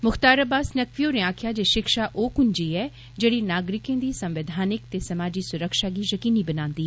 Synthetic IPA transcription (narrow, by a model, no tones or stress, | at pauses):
mʊkʰt̪aːɾəbaːsnəkʋioːɾẽaːkʰjaːd͡ʒeːʃɪkʃaːʔoːkʊɲd͡ʒiːɛː | d͡ʒeːɽiːnaːɡɾɪkẽːd̪iːsə̃mʋɪd̪ʱaːnɪkt̪eːsəmaːd͡ʒiːsʊɾəkʃaːɡiːjəkiːniːbənãːnd̪iːɦɛ